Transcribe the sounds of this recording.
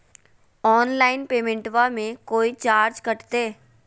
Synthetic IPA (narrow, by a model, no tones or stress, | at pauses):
ɔːnlaːɪnpeːmẽɳʈʋamẽkoːit͡ʃaːɾd͡ʒkɐʈt̪eː